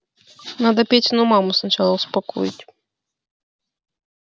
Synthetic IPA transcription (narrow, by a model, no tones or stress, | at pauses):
nad̪ɐpʲet͡sʲinumamusnat͡ʃalˠɔwspakɔ̰jut͡sʲ